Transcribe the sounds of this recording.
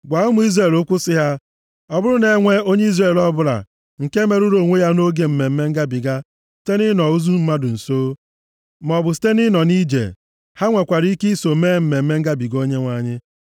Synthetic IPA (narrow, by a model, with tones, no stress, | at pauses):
ɡʷa˨˦ʊ˦mʊ˦i˦zɾe˨lʊ˦kʷʊ˦sɪ˦ɦa˦ | ɔ˦bʊ˦ɾʊ˦ne˨˦ŋʷe˦o˦ɲe˦i˦zre˨lɔ˦bʊ˦ɾa̰˨ | ŋ̩˨ke˦me˨ɾu˦ɾo˨ŋʷe˦ja˦no˦ɡe˨m̩˦me˨m̩˦me˦ŋ̩˦ɡa˦bi˨ɡa˦ | si̥˦te˦nɪ˦nɔ˨u˦zu˦m̩˦ma˦dʊ˨n̩˨soː˦ | m˨ɔ˨bʊ˨s̬i̥˦te˦nɪ˦nɔ˨ni˦d͡ʒḛ˨ | ha˦ŋʷe˨kʷa˨ɾi˦i˦ki˦so˨˦me˦˨m̩˦me˨m̩˦me˦ŋ̩˦ɡa˦bi˨ɡo˦ɲe˦ŋʷa˨˦ɲɪ˦